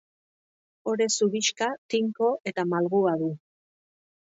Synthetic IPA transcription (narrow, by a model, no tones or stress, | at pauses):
o̞ɾe̞suβiʃkat̪iŋko̞ʔe̞t̪amalɣuaðu